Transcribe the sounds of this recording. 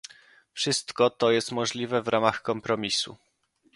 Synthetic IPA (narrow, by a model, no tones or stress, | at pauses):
fʂɘst̪kɔt̪ɔjɛst̪mɔʐlʲivɛvɾʔamaxkɔmpɾɔmʲisṵ